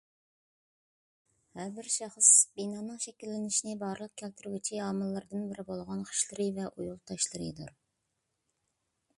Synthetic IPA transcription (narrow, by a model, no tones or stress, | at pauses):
hɛɾbɪɾʃɑχəsbinɑːnɨŋʃekʲilːɪnɪʃinɪbɑɾlˠəq̚kʲʰɛlt̪ʰɪɾɡʲit͡ʃʰiɑːmɨlˠːɨɾd̪ɨnbɪɾɪbolˠʁɑnχə̥ʃlˠɨɾɨvɛʔujulˠt̪ʰɑʃlˠɨɾɨ̰d̪uɾ